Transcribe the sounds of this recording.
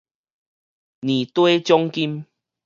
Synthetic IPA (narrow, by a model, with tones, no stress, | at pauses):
nĩ˨t̪we˦t͡ɕjɔ˦ŋki˦m